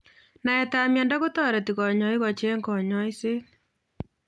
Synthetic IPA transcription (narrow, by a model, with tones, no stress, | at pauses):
na˨e˨ta˨mja˨nda˦ɣo˦tɔ˦ɾe˨ti˨ɣɔ˨ɲɔ˨i˦ɣɔ˨t͡ʃe˦ŋkɔ˨ɲɔ˦i˦se˦